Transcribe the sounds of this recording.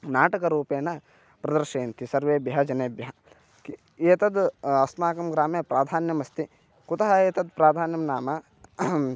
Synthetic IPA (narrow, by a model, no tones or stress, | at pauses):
naːʈɐkɐɾuːpeːnɐ | pɾɐd̪ɐɾʃeːnt̪ʰisɐɾʋeːbjɐɦɐd͡ʒɐneːbjɐɦɐ | eːt̪ɐd̪ɐsnaːkɐmɡɾaːmepɾaːd̪ʱaːnjɐmɐst̪i | kut̪ɐɦɐeːt̪ɐd̪pɾaːd̪ʱaːnjɐmnaːmɐ